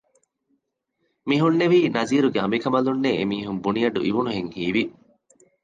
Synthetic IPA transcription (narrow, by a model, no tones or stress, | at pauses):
miɦunːeʋiːnɐziːɾuɡeɐmikɐmɐlunːeemiːɦumbunijɐɖṵʔiʋunuɦeŋhiːʋi